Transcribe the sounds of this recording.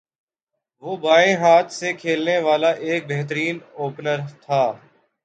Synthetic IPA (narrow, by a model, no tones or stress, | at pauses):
ʋoːbaːẽɦaːt̪ʰsekʰeːlneʋaːlaʔeːk̚beɦt̪̬əɾiːnoːpnəɾt̪ʰaː